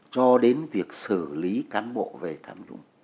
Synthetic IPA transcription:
t͡ɕɔ˧ɗe˨˦nvi˨˩ək̚sɨ˧˩li˨˦kaː˨˦nɓo̰˧˨ve˨˩t̪ʰaː˧mzʊ̰˧˥ŋ͡m

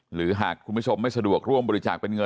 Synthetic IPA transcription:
ɾɯː˩˦ɦaː˨˩kʰːu˧nbʰu˥˩t͡ɕʰo˧mːa˥˩jsa˧du˨˩ək̚ɾu˥˩əmbɔː˧ɾi˧˦t͡ɕa̰ː˨˩k̚pe˧nŋɤ˧

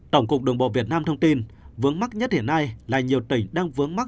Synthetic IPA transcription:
t̪ə˧˩wŋ͡mkʊ˨˩k͡p̚ɗɨ˨˩ŋɓɔ̰˧˨˩vi˨˩ət̚naː˧mt̪ʰə˧ŋ͡mt̪i˧nvɨ˨˦əŋma˦˥t̚ɲə˦˥t̚hi˧˩nːa˧jlaː˨˩ɲi˨˩əwt̪ï˧˩ŋ̟ɗaː˧ŋvɨ˨˦əŋma˦˥k̚

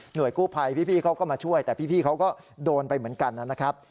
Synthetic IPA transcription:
nu˨˩əjkuː˥˩pʰa˧jpʰiː˥˩pʰiː˥˩kʰa˦˥wkɔː˥˩maː˧t͡ɕʰu˥˩əjt̪ɛː˨˩pʰiː˥˩pʰiː˥˩kʰa˦˥wkɔː˥˩ | doː˧npa˧jmɯ˩˦ənka˧nːa˦˥˩na˦˥kʰɾa˦˥p̚

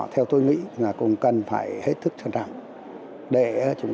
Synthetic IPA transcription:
t̪ʰɛ˧wt̪o˧jŋḭ˧˥maː˨˩kʊ̰˧˥ŋ͡mkə˨˩nfa̰ː˧˩jhe˦˥t̚t̪ʰɨ˦˥k̚t͡ɕʰə˧˩nt͡ɕa̰ː˧˨ŋ | ɗe˧˩˧t͡ɕʊ˨˧˦ŋ͡m

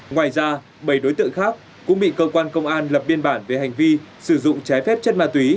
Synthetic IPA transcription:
ŋwaː˨˩jzaː˧ | ɓə˧˩jɗo˨˦jt̪ɨ̰˧˨ŋxaː˦˥k̚ | kʊ̰˧˥ŋ͡mɓḭ˧˨kəː˧kwaː˧nkə˧wŋ͡mʔaː˧nlə˨˩p̚ɓi˧ənɓaː˧˩nve˨˩ha˨˩jŋ̟vi˧sɨ˧˩zʊ̰˧˨ŋ͡mt͡ɕa˨˦jfɛ˦˥p̚t͡ɕə˦˥t̚maː˧˩t̪wi˨˦

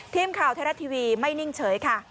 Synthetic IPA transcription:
t̪ʰiː˧˩mkʰaː˨˩wt̪ʰa˧ɾa˦˥˩t̪ʰiː˧wiː˧ma˥˩jni˥˩ŋt͡ɕʰɤː˩˦jkʰa˥˩

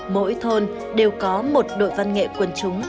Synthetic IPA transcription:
mo̰˧˥jt̪ʰo˧n | ɗe˨˩wkɔ˨˦mo˨˩t̚ɗo̰˧˨jva˧nŋḛ˧˨kwə˧nt͡ɕʊ˨˦ŋ͡m

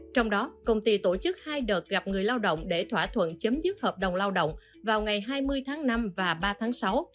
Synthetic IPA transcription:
t͡ɕɔ˧wŋ͡mɗɔ˨˦kə˧wŋ͡mt̪i˧t̪o˧˩t͡ɕɨ˦˥k̚haː˧jɗəː˨˩t̚ɣa˨˩p̚ŋɨ˨˩əjlaː˧wɗə̰˧˨wŋ͡mɗe˧˩t̪ʰwaː˧˩t̪ʰwə̰˧˨nt͡ɕə˨˦mzɨ˦˥k̚həː˨˩p̚ɗə˨˩wŋ͡mlaː˧wɗə̰˧˨wŋ͡m | vaː˨˩wŋa˨˩jɦaː˧jmɨ˧əjt̪ʰaː˨˦ŋna˧mvaː˨˩ɓaː˧t̪ʰaː˨˦ŋsa˨˦w

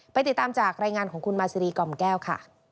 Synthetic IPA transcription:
pa˧jt̪i˨˩t̪ːaː˧mt͡ɕaː˨˩k̚ɾaː˧jŋaː˧nkʰɔː˩˦ŋkʰu˧nmaː˧si˧ɾiː˧kɔ˧˩mkɛː˥˩wkʰa̰˥˩

